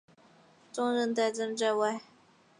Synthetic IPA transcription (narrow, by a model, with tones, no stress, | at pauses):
t͡sʊ˥ŋɻə˥˧nt̪a˥˩t͡sə˥nʈ͡ʂa˥˧wa˥˩ɪ